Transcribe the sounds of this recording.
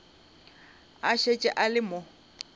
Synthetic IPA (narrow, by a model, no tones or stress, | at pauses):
aʃet͡ʃʼɛʔalɪmʊ